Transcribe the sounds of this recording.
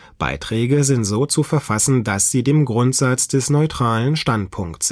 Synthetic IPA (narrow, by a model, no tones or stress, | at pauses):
b̥a̰ɪtʁ̥ɛːɡəzɪntz̥oːt͡sufɛɐfasn̩dasz̥iːdeːmɡʁʊntz̥at͡sd̥ɛsnɔʏtʁ̥aːlənʃtantpʰʊŋkts